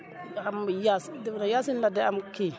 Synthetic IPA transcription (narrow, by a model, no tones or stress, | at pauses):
amjasdinajasinladeamki